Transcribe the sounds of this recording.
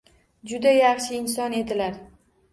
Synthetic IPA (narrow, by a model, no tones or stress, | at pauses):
d͡ʒʊd̪ajɑχʃɪːnsɒne̞d̪ɪlaɾ